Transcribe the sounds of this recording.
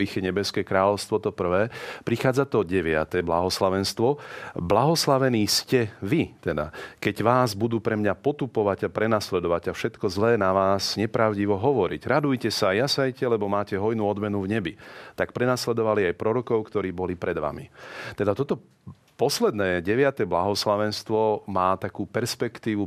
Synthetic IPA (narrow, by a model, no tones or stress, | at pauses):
ixɛɲɛbɛskɛːkɾaːlɔʊst̪ʋɔt̪ɔpr̩ʋɛːpɾixaːd͡zat̪ɔɟɛʋɪa̰t̪ɛbla̰ɦɔslaʋɛnst̪ʋɔblaɦɔslaʋɛniːscɛʋit̪ɛd̪a̰kɛɟʋaːzbud̪uːpɾɛmɲapɔt̪upɔʋaɟapɾɛnaslɛd̪ɔʋaɟafʃɛt̪kɔzlɛːnaʋaːsɲɛpɾaʊɟiʋɔɦɔʋɔɾḭɟɾad̪ujcɛsajasajcɛlɛbɔmaːcɛɦɔjnuɔd̪mɛnuvɲɛbit̪ak̚pɾɛnaslɛd̪ɔʋaliajpɾɔɾɔkɔʊkt̪ɔɾiːbɔlipɾɛd̪ʋa̰mḭt̪ɛd̪at̪ɔt̪ɔ | pɔslɛd̪nɛːɟɛʋɪat̪ɛblaɦɔslaʋɛnst̪ʋɔmaːt̪akuːpɛɾspɛkt̪iːʋu